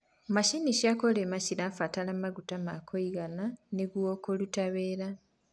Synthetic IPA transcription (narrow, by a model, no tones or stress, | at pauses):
maʃiniʃakoleːmaciɾafatalamaɡutamakʰoiɡananeɡwokolutaβeːɾa